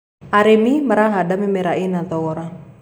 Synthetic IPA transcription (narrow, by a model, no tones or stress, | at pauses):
aɾemimaɾaɦadamimɛɾainat̪ɔɔɾa